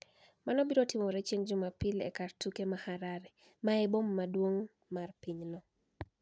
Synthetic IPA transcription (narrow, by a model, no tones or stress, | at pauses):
manɔbiɾotɪmɔɾɛt͡ʃjeŋd͡ʒʊmapɪlɛ̰kartukemahaɾaɾɛ | maɛbomːadwoŋ | marpiɲnɔ